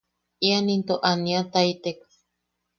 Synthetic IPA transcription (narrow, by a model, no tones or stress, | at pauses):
ianint̪oʔaniat̪ait̪eka